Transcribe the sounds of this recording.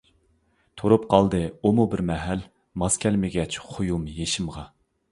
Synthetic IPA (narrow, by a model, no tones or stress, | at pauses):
t̪ʰoɾup̚qʰɑlˠd̪ɨumubɪɾmɛɦɛl | mɑskʲʰɛlmɪɡʲɛt͡ʃχʰojumjeʃɪmʁɑ